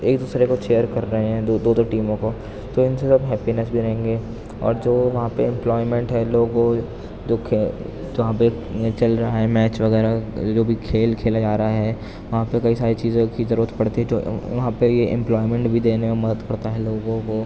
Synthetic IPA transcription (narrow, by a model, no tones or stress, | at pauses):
eːkd̪uːsɾekot͡ʃeːəɾkɐɾːɐɦeɦɛ̃d̪od̪oːd̪oʈiːmõko | t̪oɪnsesɐbɦɛːpinɛsbʱiɾɐɦẽːŋɡeː | ɔ̰ːɾd͡ʒoːʋɐɦãpeɪ̃mplɔːɪmɛ̃ɳʈɦɛloːɡo | d͡ʒoːkʰ | d͡ʒɐɦãpe | t͡ʃɐlɾɐɦaɦɛmɛːt͡ʃʋɐɣɛːɾad͡ʒoːbʱikʰeːlkʰeːlad͡ʒaːɾaɦaɦɛː | ʋɐɦãpekɐisaːɾit͡ʃiːzõkizɐɾuːɾət̪pɐɽt̪iɦɛ̃d͡ʒo̰ːʋɐɦãpejeʔɪ̰̃mplɔːɪmɛ̃ɳʈbʱid̪eːnememɐd̪əd̪pɐɾt̪aɦɛloːɡõko